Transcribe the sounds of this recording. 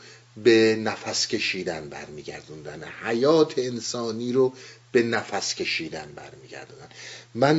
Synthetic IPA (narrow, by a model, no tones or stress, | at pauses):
benæfæscʲe̞ʃiːd̪ænbæ̰ɾmiːɡæ̰ɾd̪und̪ænhæjɒːt̪ʰeːnsɒːniːɾob̥e̞næfæscʲʰe̞ʃiːd̪ænbæ̰ɾmiːɟæ̰ɾd̪und̪ænmæn